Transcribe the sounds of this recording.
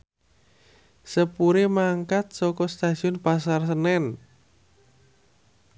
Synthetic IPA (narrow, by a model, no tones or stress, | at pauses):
səpuɾemaŋkat̪̚sɔkɔst̪aʒ̥iɔnpasars̬ənɛn